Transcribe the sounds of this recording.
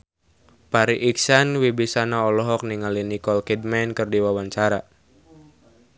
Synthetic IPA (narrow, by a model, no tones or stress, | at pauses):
paɾiʔiksanwibisanaɔlɔɦɔk̚niŋalinikɔlkidmɛnkɨrdiwawaɲt͡ʃaɾa